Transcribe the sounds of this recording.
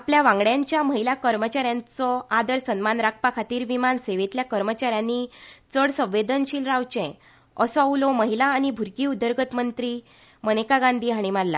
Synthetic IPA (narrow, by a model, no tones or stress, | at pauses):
apljaʋãŋɡɽjãɲt͡ɕjaməɦilakəɾmət͡ɕaɾjãnt͡sɔad̪əɾsənmanɾak̚ʰpakʰat̪iːɾʋimanseʋet̪ljakəɾmət͡ɕaɾjãnːit͡səɽsə̃ʋʋːed̪ənɕiːlɾawt͡ɕɛ̃ | əsɔaulɔməɦilaːñibʱuɾkiːud̪ːəɾɡət̪mənt̪ɾiː | mənekaɡãnd̪ʱiːɦaɽ̃imaɾla̰